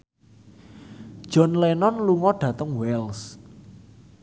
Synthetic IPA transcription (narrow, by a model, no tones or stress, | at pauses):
d̥ʒ̥ɔ̤nlɛnɔnluŋɔɖ̥ä̤t̪əŋwɛls